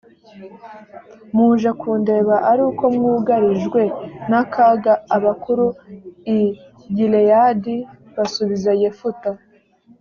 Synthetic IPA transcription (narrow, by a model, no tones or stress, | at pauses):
muːʒakʰuːnde̞ːβaʔaɾuːko̞mŋuːɡaɾiʒɡwe̞nakʰaɡaːβakuɾui | ɟilejadi | βasuβizajefuta